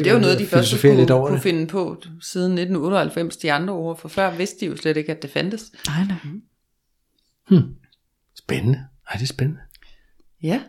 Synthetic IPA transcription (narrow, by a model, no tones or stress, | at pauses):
e̝ʋɑnɔ̽ːðˠd̥ifɶiɐlosoəfe̝̰ɐledɒ̰ɐkdʰufe̝nəpʰɒ̽siːð̞ˠn̩ne̝d̥n̩ɔ̽ːɾəɒ̽hælfem̰sd̥iɑ̈nd̥ʁɐo̝ːɐ̰fɒ̽fɶɐ̰ʋe̝sd̥əd̥ijo̝sleɾ̥e̝ɡ̥æd̥e̝fænd̥əs | h̩ | sb̥enənəad̥e̝sb̥enənə | jæ